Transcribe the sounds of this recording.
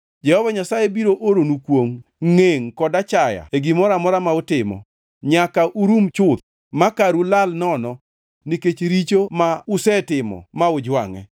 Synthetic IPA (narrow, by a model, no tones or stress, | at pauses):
d͡ʒɛhɔvaɲasajebiɾoʔoɾonukwoŋŋeŋkɔdat͡ʃaja̰eɡimɔɾamɔɾamaʊtɪmɔ̰ | ɲakaʔuɾumt͡ʃʊt̪̚ | makaɾulalnɔnɔ | niket͡ʃɾit͡ʃomaʊsɛtɪmɔ̰maʊd͡ʒwa̰ŋɛ̰